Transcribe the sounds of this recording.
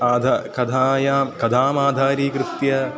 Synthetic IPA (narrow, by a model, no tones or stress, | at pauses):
aːd̪ʱakɐd̪ʰʱaːjaːmkɐd̪ʱaːmaːd̪ʱaːɾiːkɾɨt̪jɐ